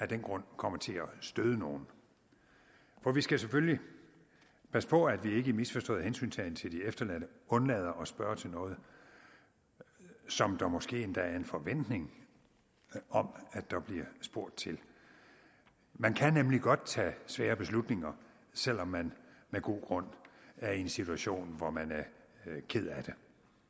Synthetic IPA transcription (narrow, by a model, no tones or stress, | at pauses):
æɐd̥enɡ̥ʁɔ̽n̰kʰɒ̽m̰ɐt͡sʰe̝æsd̥øð̞ˠəno̝ːn̩ | fɒʋisɡ̥æsefølli | pʰæsəpʰɒ̽æd̥ʋie̝ɡ̥əimisfɒ̽sd̥ɔ̰ːð̩ˠhensy̰ːnt͡sʰɛnt͡sʰe̝ld̥iefd̥ɐlænəɔ̽nlɛð̞ˠɐʔɒ̽sb̥ɶɐt͡sʰe̝lnɔ̽ːð̞̩ˠ | sɒ̽md̥ɑ̈mɒ̽sɡ̥e̝̰ːend̥ææɐe̝nfɒ̽ʋen̰d̥ne̝ŋ | ɒ̽mæd̥ɑ̈b̥liɐsb̥o̝ɐ̰d̥̚t͡sʰe̝l | mænkʰænemliɡ̥ɒ̽d̥̚t͡sʰɛ̰ːsʋɛːɐb̥e̝slud̥ne̝ŋɐ | sel̰ɒ̽mːænmeɡ̥o̝̰ːɡ̥ʁɔ̽n̰æɐe̝nsit͡sʰuæɕo̝̰ːnʋɒmænæɐkʰe̝ð̞̰ˠæd̥e̝